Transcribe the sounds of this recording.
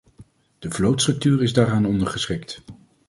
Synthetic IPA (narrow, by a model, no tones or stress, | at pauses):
d̥əvlowtstrɵk̚tyːrɪzdaːɾaːnɔndəɹχəsχɪkt